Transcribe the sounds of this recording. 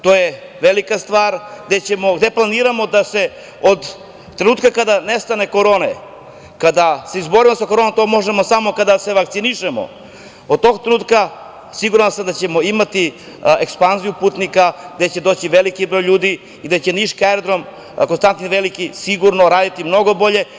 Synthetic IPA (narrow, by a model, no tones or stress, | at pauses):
t̪oje | ʋelikast̪ʋaːɾɡd̪et͡ɕemo̞ɡd̪e̞plˠaniːɾamo̞d̪ase̞ | od̪ | t̪ːɾe̞nuːt̪kakad̪anest̪ane̞ko̞ɾo̞ːne | kad̪ase̞izbo̞ɾimosakoɾoːnomt̪o̞mo̞ʒemo̞samo̞kad̪ase̞ʋakt̪siniʃemo̰ | od̪̚t̪o̞ɡt̪ɾenuːt̪ka | siɡuɾamsamd̪at͡ɕe̞moimat̪i | ekspanzijupuːt̪nikaɡd̪et͡ɕe̞d̪o̞ːt͡ɕiʋelikibɾo̞jʎuːd̪iː | d̪at͡ɕe̞niʃkaeɾod̪ɾom | konst̪ant̪inʋelikisiɡuɾnoɾaːd̪it̪imno̞ɡo̞bo̞ʎe̞